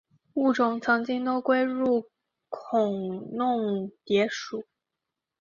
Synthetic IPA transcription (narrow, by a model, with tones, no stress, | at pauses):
u˥˩ʈ͡ʂʊ˨˩ŋt͡sʰɤ˧˥ŋt͡ɕi˥ŋt̪o˥ʊkwe˥ɪɻu˥˩ | kʰʊ˨˩ŋnʊ˥˩ŋt̪jɛ˧˥ʂu˨˩˦